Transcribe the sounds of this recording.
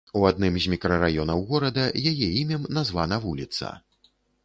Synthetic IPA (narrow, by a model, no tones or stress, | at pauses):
uad̪̚nɨmzʲmʲikɾɐɾajɔnɐwɣɔɾɐd̪ɐjajɛimʲɐmnazvanɐvulʲit̪sɐ̰